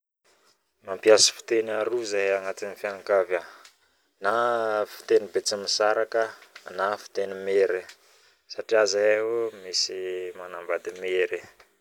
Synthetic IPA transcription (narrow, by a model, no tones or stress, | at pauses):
mampiasi̥fi̥t̪enaɾuzajaŋat̪inifjaŋkava | nafi̥t̪enibet͡simisaɾakənafi̥t̪enimeɾi | saʈ͡ʂiazaomisimanambad̪imeɾi